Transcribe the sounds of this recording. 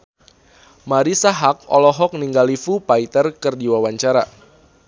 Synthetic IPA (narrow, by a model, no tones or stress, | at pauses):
maɾisaɦak̚ɔlɔɦɔk̚niŋɡalifupait̪ərkərdiwawaɲt͡ʃaɾa